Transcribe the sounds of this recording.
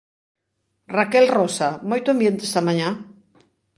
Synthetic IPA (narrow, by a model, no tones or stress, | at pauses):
rakɛlrosamojt̪ʊambjẽnt̪est̪amaɲã